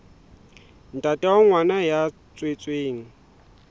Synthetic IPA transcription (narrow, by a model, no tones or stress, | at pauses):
n̩tʼatʼɛwɔŋwanaja | t͡sʼwet͡sʼweːŋ̩